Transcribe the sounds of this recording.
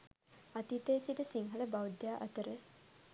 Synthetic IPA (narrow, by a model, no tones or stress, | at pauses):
at̪it̪eːsiʈəsiŋɦɐləbawd̪jaːʔɐt̪əɾə